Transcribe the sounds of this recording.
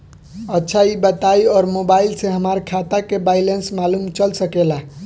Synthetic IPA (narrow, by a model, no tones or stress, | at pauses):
ətːʃʰaibət̪ajɔːɾmobailseɦəmaɾkʰat̪akebajlensmalumt͡ʃəlsəkela